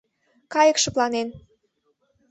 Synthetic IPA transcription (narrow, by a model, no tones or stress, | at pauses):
kɑjəkʃə̆plɑnen